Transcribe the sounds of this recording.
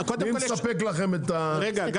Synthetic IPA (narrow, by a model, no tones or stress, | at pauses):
kod̪imssapeklaχemet̪aeɡaɡ